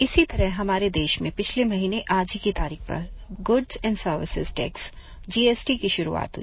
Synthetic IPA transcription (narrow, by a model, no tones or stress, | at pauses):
ɪsit̪ɐɾəɦɦɐmaːɾed̪eːʃmẽpɪt͡ʃʰlemɐɦiːneʔaːd͡ʒikit̪aːɾiːk̚pɐ̰ɾɡʊɖzɛ̃ːɳɖsəɾʋɪ̰sɪ̰zʈɛ̰ːks | d͡ʒiːeːsʈikiʃʊɾṵa̰ːt̪ɦṵi